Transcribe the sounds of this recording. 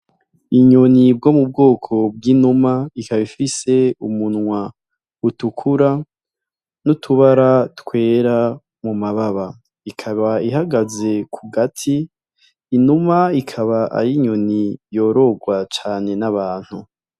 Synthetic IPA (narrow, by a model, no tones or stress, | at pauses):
iɲonib̚ɡo̞mub̚ɡo̞ːkʰo̞b̚ɡinumaikaβifise̞umunŋwa | utukʰuɾa | nutʰuβaɾatkwe̞ːɾa | mumaβaβa | ikʰaβaiɦaɡaze̞kʰuɡatʰiː | numaikʰaβaʔa̰jiɲo̞nijo̞ːɾo̞ɡwat͡ʃaːne̞naβaːn̥hu